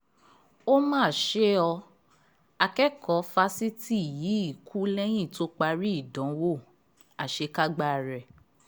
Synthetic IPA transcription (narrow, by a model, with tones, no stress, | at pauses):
o˦mãː˦˨ʃe˦ɔ˧ | a˧kɛ˦kɔ˨˦fa˧si˦ti˦˨ji˨˦i˦˨ku˦lɛ˦j̃ĩ˦˨to˦k͡pa˧ɾi˦i˦˨dɔ̃˨˦wo˦˨ | a˨ʃe˧ka˦ɡ͡ba˦˨ɾɛ˨